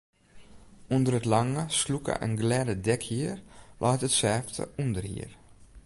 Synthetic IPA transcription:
undəɾətlaŋəslukə̰ʔə̰nɡlɛdədɛkhiərlʔɔjtətsɛftʰə̰undərhḭər

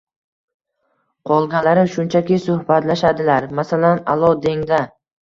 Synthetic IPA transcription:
qʰɒlˠɡʲalaɾɪʃʊnt͡ʃʰakʲɪsʊhbat̪laʃad̪ɪlaɾmasalana̰lˠɒd̪e̞ŋd̪a

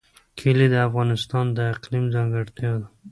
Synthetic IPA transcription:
kʰilid̪əafɣɑnɪst̪ɑnd̪əɪqlimzaŋɡəɽt̪jɑd̪a

